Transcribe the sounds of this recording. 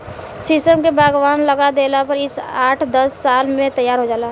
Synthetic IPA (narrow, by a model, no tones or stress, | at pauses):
sɪsʈəmkebʱaːɡʋaːnləɡad̪eːlapəɾɪsaːʈʰd̪əsːaːlmẽt̪əjːaːɾɦod͡ʒaːla